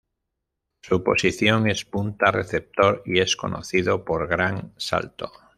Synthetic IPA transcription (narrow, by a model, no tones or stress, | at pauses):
supo̰siθjoŋespunt̪areθep̚t̪oɾiesko̰nʔo̰θiðopoɾɣɾaŋsa̰lt̪o